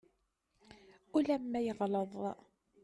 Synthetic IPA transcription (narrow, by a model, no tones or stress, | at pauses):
ulæmːæjəʁləðˤ